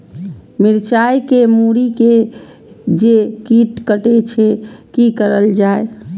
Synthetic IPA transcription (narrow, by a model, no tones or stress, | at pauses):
miɾt͡ʃajkemuɾike | d͡ʒekiʈkəʈet͡ʃʰɛkikəɾəld͡ʒae